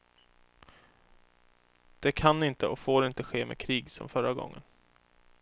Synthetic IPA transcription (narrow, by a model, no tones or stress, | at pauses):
d̪̥ɛkʰanːɪnt̪əɔfoːɾɪnt̪əɧeːmɛ̰kʰɾiːɡsɔ̰mfœɾaɡɔ̰ŋːə̰n